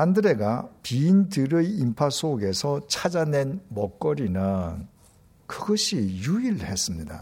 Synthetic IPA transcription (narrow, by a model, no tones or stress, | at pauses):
andɯɾe̞ɡapiːndɯɾɯimpʰasʰoɡe̞sʰʌt͡ɕʰad͡ʑane̞nmʌk͈ʌɾinɯn | kɯɡʌɕʰijuiɭhe̞s͈ɯmɲida̰